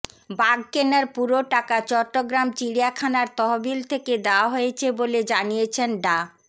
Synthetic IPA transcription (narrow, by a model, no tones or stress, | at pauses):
baɡ̚kenaɾpuɾoʈakat͡ɕɔʈːoɡɾamt͡ɕiɽijakʰanaɾt̪ɔɦobilt̪ʰeked̪eoaɦojet͡ɕʰeboled͡ʑanijet͡ɕʰenɖa